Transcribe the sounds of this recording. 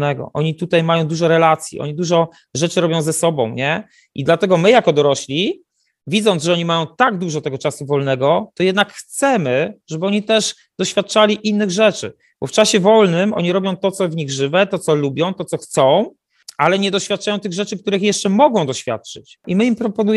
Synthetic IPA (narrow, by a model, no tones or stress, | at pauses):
nɛɡɔ̰ʔɔɲit̪ut̪ajmajɔ̃w̃d̪uʐɔɾɛlat̪sʲjḭʔɔ̰ɲid̪uʐɔ | ʐɛt͡ʂɘɾɔbʲjɔ̃w̃zɛsɔbɔ̰̃w̃ɲɛ | ʔid̪lat̪ɛɡɔmɘjakɔd̪ɔɾɔɕlʲi | vʲid̪zɔnʐɛɔɲimajɔ̃w̃t̪aɡd̪uʐɔt̪ɛɡɔt͡ʂasuvɔlnɛɡɔt̪ɔjɛd̪nakxt̪sɛmɘʐɛbɘɔɲit̪ɛʂ | d̪̥ɔɕfʲjat̪̚ːt͡ʂalʲiʔinːɘɣʐɛt͡ʂɘ̰ | bɔft͡ʂaɕɛvɔlnɘmʔɔ̰ɲiɾɔbʲjɔ̃w̃t̪ɔt̪sɔvɲiɣʐɘvɛt̪ɔt̪sɔlubʲjɔ̃w̃t̪ɔtsɔxt̪sɔ̃w̃ | ʔalɛɲɛd̪ɔɕfʲjat̪̚t͡ʂajɔ̃wt̪ɘɣʐɛt͡ʂɘk̚t̪uɾɘxjɛʂt͡ʂɛmɔɡɔ̃w̃d̪ɔɕfʲja̰t̪̚t͡ʂɘt͡ɕimɘimpɾɔpɔnuj